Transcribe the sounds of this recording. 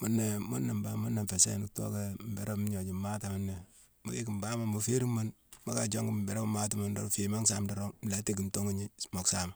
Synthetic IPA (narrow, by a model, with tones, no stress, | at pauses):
mo˨nːe˨mo˦nːa˨mba˦mo˦na˨mfe˨sḛ˦nu˨kto̰˦ka˦m̩˨be˦ɾo˦m˦ɲo˨d͡ʒi˨ma˦ta˨ma˦nːe˨ | mo˨ɡe˦ki˨m˨ba˦ma˨mbo˨fe˦ɾi˦mo˦n | ma˦ka˨d͡ʒo˦ŋɡi˦be˨ɾa˦bma˦ta˦ma˦ndɔ˨ɾo˦fe˨ma˦ŋsa˦mdɔ˨ɾo˦m˨la˨˦ti˦ki˨mto˦ŋu˦ɲi˦mo˨ksa˦ma˨